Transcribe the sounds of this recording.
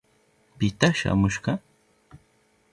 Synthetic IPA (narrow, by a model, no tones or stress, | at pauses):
pɪt̪aʃa̰mʊʃɢɑ